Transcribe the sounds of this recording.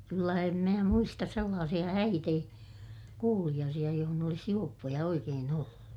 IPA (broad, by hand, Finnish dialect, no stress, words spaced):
kylːæ em mæː muistɑs selːɑːsij̆ɑ hæit ei kuːlij̆ɑːsij̆ɑ johon olis juopːojɑ oikeːn olːu